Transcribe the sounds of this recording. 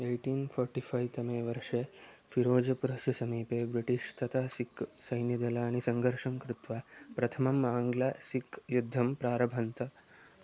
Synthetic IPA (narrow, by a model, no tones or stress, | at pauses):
eːʈiːnfʰɔːɾʈifʰɐjt̪ɐmeːʋɐɾʂefiɾoːd͡ʒɐpuɾɐsɐsɐmiːpeːbɾiʈiʂt̪ʰɐt̪ʰaːsiksɐjnjid̪ɐlaːnisɐŋɡʱɐɾʂɐmkɾut̪ʋaːpɾɐt̪ʰɐmɐmaːŋɡlaːsikjud̪ʱːɐmpɾaːɾɐbʱɐnt̪ɐ